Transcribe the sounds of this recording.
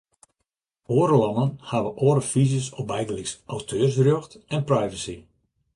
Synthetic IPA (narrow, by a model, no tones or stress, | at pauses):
oəɾəlɔnənhaʋəʔoːɾəfizəsɔb̚bɛjɡəlɪksʔawtʰøːrs̬rjøxtɛnprajvəsi